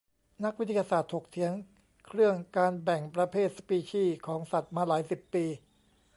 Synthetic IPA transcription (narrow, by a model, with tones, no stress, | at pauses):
na˦˥k̚wi˦˥t̪ʰaː˧jaː˧saː˨˩t̪ʰːo˨˩k̚t̪ʰi˩˦əŋ | kʰɾɯ˥˩əŋkaː˧nbɛ˨˩ŋpɾa˧pʰeː˥˩t̪̚sa˧piː˧t͡ɕʰiː˥˩kʰɔː˩˦ŋsa˨˩t̪̚maː˧laː˩˦jsi˨˩pːiː˧